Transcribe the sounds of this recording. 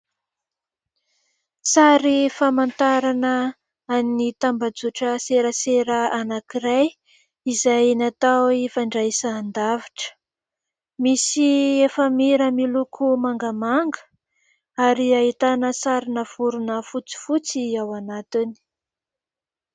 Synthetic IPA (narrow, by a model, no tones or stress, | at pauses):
saɾifamant̪aɾanə | annit̪ambad͡zuʈ͡ʂəseɾəseɾəanakiɾaj | izajnat̪awifaɳɖ͡ʐaisaːnd̪aviʈ͡ʂə̥ | misiefəmiɾəmilukʰumaŋɡəmaŋɡə̥ | aɾiaɦit̪anəsaɾinəv̥uɾunəfut͡si̥fut͡siawanat̪ini̥